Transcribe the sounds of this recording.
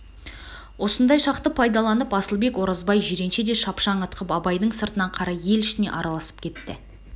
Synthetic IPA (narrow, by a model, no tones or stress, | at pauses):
wo̞sənd̪ɑjʃɑq̚t̪əpʰɑjd̪ɑlˠɑnəpɑsəlˠbe̞kwo̞ɾɑzbɑjʒeɾe̞nʃe̞d̪e̞ʃɑpʃɑɴət̪qʰəpɑbɑjd̪əɴsəɾt̪ənɑɴqʰɑɾɑje̞lɪʃɪne̞̰ʔɑɾɑlˠɑsə̥p̚kʲʰe̞t̪ːɪ̰